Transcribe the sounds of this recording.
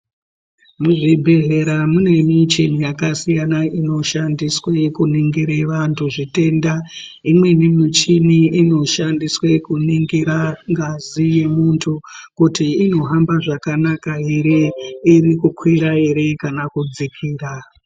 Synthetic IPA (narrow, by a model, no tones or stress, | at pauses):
muʐibʱe̞ɮe̞ɾamune̞mit͡ʃinijakasijanaʔino̞ʃandiswekuniŋɡiɾeʋantʰuʐite̞ːnda | imwe̞nimit͡ʃiniino̞ʃandiswekuniŋɡiɾaŋɡazije̞muntʰukutiːno̞ɦambaʐakanakaɦeɾeirikukʰwiɾaeɾe̞kanakud͡zikʰiːra